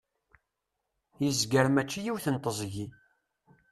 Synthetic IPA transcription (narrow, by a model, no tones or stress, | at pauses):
jəzɡəɾmæt͡ʃːijiwθənt̪ˤəzˤʝi